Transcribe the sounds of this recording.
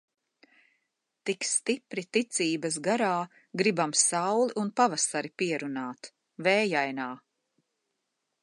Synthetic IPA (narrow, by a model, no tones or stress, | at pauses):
t̪ikst̪ipɾit̪it̪siːbɐsɡaɾaː | ɡɾibamsawlˠiʔunpavasaɾipiɛɾunaːt̪ | vɛːjajnaː